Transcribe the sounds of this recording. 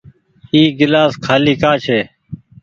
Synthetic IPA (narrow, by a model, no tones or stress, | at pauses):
iːɡɪlaːskʰaːliːkaːt͡ʃʰeː